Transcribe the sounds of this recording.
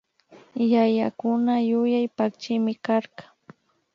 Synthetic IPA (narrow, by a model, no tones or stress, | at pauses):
jajakʊnajʊjajpak̚t͡ʃɪmɪkaɾkḁ